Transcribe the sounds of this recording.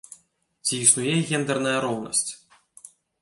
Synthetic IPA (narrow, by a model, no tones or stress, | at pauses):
t͡sʲiːsnujɛɣʲɛnd̪ɛrnɐjɐɾɔwnɐ̰sʲt͡sʲ